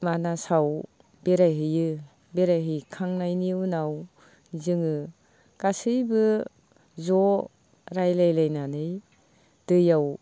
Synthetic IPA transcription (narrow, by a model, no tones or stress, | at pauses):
manasaw | beɾajɦɯjɯ | beɾajɦɯjkʰaŋnajniunaw | zɯŋɯ | kasɯjbɯ | zɔ | ɾajlajlajnanɯj | d̥ɯjaw